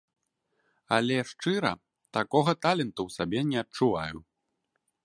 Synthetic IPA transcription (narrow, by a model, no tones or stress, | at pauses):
ɐ̰lʲɛʂt͡ʂɨɾɐ̰ | t̪akɔɣɐt̪alʲɛnt̪uwsabʲɛnʲɛɐt̚t͡ʂuvaju